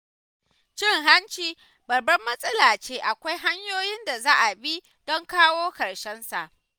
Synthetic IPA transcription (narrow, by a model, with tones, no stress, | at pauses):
t͡ʃɪ˦ŋɦa˦nt͡ʃiː˦ | bɐ˨rbɐ˦mːɐ˦sʼɐ˦laː˨t͡ʃeː˦ʔa˨kʷa˦jɦa˦ɲjoː˦jɪ˦nda˨zaː˦ʔa˨bi˦ | d̥ɔ˦ŋkaː˦woː˦kɐ˨ɽʃɛ˦nsa˨ʔ